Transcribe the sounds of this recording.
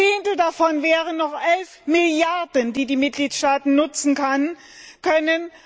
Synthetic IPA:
eːntl̩dafɔnvɛːʁənːɔχʔɛlfmɪljaɐdəndiːdiːmɪt̚ɡ̥liːtʃtaːtn̩nʊt͡sn̩kʰan | kʰœnən

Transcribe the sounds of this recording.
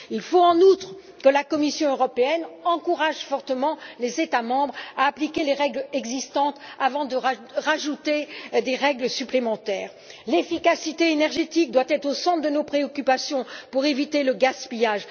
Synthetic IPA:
ilfoɑ̃nut̪χ | kəlakɔmisjɔ̃øʁɔpeɛnɑ̃kuʁaʒfɔʁt̪əmɑ̃lezet̪amɑ̃bʁaːplikʲeleʁɛɡlɛɡzist̪ɑ̃t̪avɑ̃d̪əʁʁaʒut̪ed̪eʁɛɡlsyplemɑ̃t̪ɛːʁ | lefikasit̪eenɛʁʒet̪ik̚d̪wat̪ɛt̪χosɑ̃t̪χd̪ənopχeɔkʲypasjɔ̃puʁevit̪eləɡaspijaːʒ

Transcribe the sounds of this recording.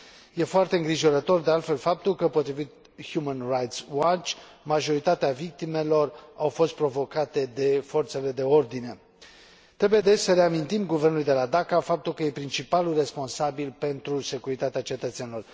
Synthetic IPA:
je̞foart̪e̞ɨŋɡɾiʒo̞ɾət̪o̞rd̪e̞alt̪fe̞lfap̚t̪ulkəpo̞t̪ɾivit̪̚ | hjumənrajt̪swat͡ʃʲmaʒo̞ɾit̪at̪eavik̚t̪ime̞lo̞rawfo̞st̪̚pɾo̞vo̞kat̪e̞d̪e̞fo̞rt̪se̞le̞d̪e̞o̞rd̪ine̞ | t̪ɾe̞buje̞d̪e̞t͡ʃsəɾe̞amint̪imɡuvernulujd̪e̞lad̪akafap̚t̪ulkəje̞pɾint͡ʃipalulre̞spo̞nsabilpe̞nt̪ɾuse̞kuɾit̪at̪eat͡ʃe̞t̪ət̪senilo̞r

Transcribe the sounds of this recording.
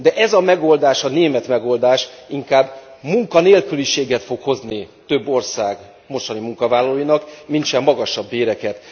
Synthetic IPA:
d̪ɛʔɛzɒmɛɡo̞ld̪aːʃɒneːmɛt̪mɛɡo̞ld̪aːʃiŋkaːbmuŋkɒneːlkyliʃeːɡɛt̪fo̞kho̞znit̪ø̞bːo̞rsaːɡ | mo̞ʃt̪ɒnimuŋkɒvaːlːɒloːjinɒkmint͡ʃɛmːɒɡɒʃɒbːeːɾɛkɛt̪

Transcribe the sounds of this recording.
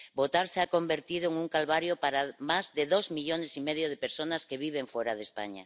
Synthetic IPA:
bot̪aɾseakombeɾt̪iðoeŋuŋkalβaɾjopaɾamazðeðozmiʎonesimeðjoð̞epeɾsonaskeβiβ̞eɱfoɾaðespa̰ɲa̰

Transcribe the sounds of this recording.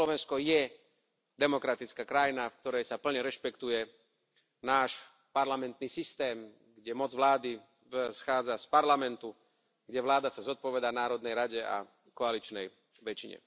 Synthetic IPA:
lɔʋɛnskɔjɛ | d̪ɛmɔkɾat̪it͡skaːkɾajinafkt̪ɔɾɛjsapl̩ɲɛɾɛʃpɛkt̪ujɛ | naːʃ | paɾlamɛnt̪niːsist̪ɛːm | ɡɟɛmɔd͡zʋlaːd̪i | sxaːd͡zaspaɾlamɛnt̪u | ɡɟɛʋlaːd̪asazɔt̪̚pɔʋɛd̪aːnaːɾɔd̪nɛjɾaɟɛa̰ | kɔalit͡ʃnɛj | ʋɛt͡ʃiɲɛ̰

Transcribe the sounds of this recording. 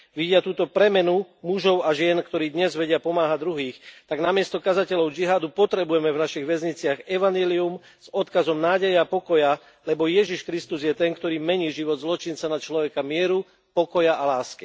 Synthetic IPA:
ʋiɟɪat̪uːt̪ɔpɾɛmɛnumuʒɔʊaʒɪɛnkt̪ɔɾiːd̪ɲɛzʋɛɟɪapɔmaːɦad̪ɾuɦiːxt̪aɡnamɪɛst̪ɔkazacɛlɔʊd͡ʒiɦaːd̪upɔt̪ɾɛbujɛmɛvnaʃiɣʋɛzɲit͡sɪaɣɛʋaɲjɛlium | z̥ɔt̪kazɔmnaːɟɛjɛapɔkɔja | lɛbɔjɛʒiʃkɾist̪uzjɛt̪ɛŋkt̪ɔɾiːmɛɲiːʒiʋɔd̪zlɔt͡ʃint͡sanat͡ʃlɔʋɛkamɪɛɾu | pɔkɔjaʔalaːski

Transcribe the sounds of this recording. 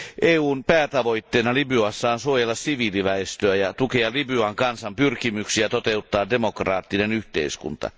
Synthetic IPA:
ʔeːuːnpæːt̪ɑʋo̞jt̪ːeːnɑlibyɑsːɑːnsuojelːɑssiʋiːliʋæest̪øæjɑt̪ukeɑlibyɑŋkɑnsɑmpyrkimyksiæt̪ot̪e̞ut̪ːɑːde̞mokrɑːt̪ːinenyht̪ḛiskṵnt̪ɑ̰

